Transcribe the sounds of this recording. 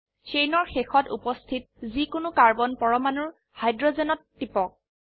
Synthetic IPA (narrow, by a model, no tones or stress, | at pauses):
sejnɔɹxexɔtupɔstʰit̚ | zikʊnʊkaɹbɔnpɔɹɔmanʊɹ | hajdɹɔzenɔtːipɔk̚